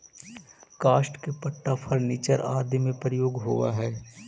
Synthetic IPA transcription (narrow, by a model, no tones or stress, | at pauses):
kaːʃʈkepɐʈːafʰəɾniːt͡ʃəɾaːd̪ʱjmẽpɾəjoːɡɦoʋa̰ɦɛː